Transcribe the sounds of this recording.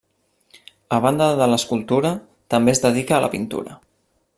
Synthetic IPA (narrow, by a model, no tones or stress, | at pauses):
əβ̞and̪əðələskulˠt̪uɾə | t̪əmbezðəðikəːlʔə̰pint̪ṵɾə